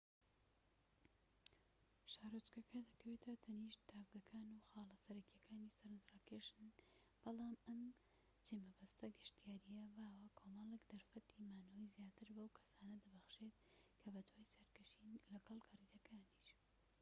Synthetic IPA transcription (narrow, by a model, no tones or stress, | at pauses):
ʃaːɾot͡ʃkɐkʰɐd̪ɐkʰɐweːt̪ʰɐt̪ʰɐniːʃt̪ʰaːvɡɐkʰaːnuxaːlɐsɐɾɐkijɐkʰaːnisɐɾɨnt̪ɾaːkeʃɨn | b̥ɑlˠaːmɐm | t͡ʃʰemɐbɐst̪ɐɡɨʃt̪ijaːɾijɐbaːwɐkʰoːmɐlˠekd̪ɐɾfɐt̪ʰiːmaːnowjzjaːt̪ɨɾbɐwkʰɐ̥saːnɐd̪ɐbɐxʃet̪̚ | kʰɐbɐd̪waːjsɐɾkɐʃiːnlɐɡɐlˠkɐriːd̪ɐkʰaːniʃ